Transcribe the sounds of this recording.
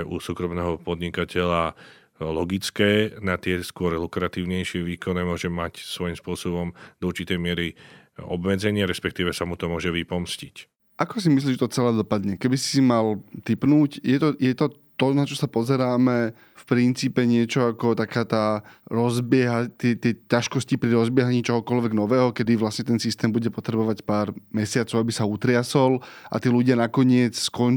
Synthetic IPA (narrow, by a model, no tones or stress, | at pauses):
ʔusuːkɾɔmnɛːɦɔpɔd̪ɲikacɛʎa | lɔɡit͡skɛːnat̪ɪɛskʊɔɾɛlukɾat̪iːʊɲɛjʃɪɛʋiːkɔnɛmʊɔʒɛmacsʋɔjimspʊɔsɔbɔmd̪ɔuɾt͡ʃit̪ɛjmɪɛɾi | ɔ̰bmɛd͡zɛɲɪaɾɛspɛk̚t̪iːʋɛsamut̪ɔmʊɔʒɛʋipɔmscic | ʔakɔsimis̬liːʒɛt̪ɔt͡sɛlɛːd̪ɔpad̪ɲɛkɛbisi̥simalt̪ipnuːcjɛt̪ɔjɛt̪ɔt̪ɔnat͡ʃɔsapɔzɛɾaːmɛ | fpɾint͡siːpɛɲɪɛt͡ʃɔakɔt̪akaːt̪aːɾɔzbɪɛɦat̪ɪɛt̪ɪɛcaʃkɔscipɾiɾɔzbɪɛɦaɲiːt͡ʃɔɦɔkɔlʋɛɡnɔʋɛːɦɔkɛd̪iʋlasɲɛt̪ɛnsist̪ɛːmbuɟɛpɔt̪ɾɛbɔʋacpaːɾmɛsɪat͡sɔʊabisaut̪ɾɪasɔlʔa̰t̪iːluɟɪanakɔɲɪɛt͡sskɔn